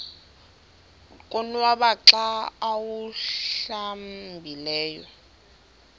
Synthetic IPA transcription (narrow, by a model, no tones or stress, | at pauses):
kʼonwaβaǁaːwuɬambʱilɛːjɔ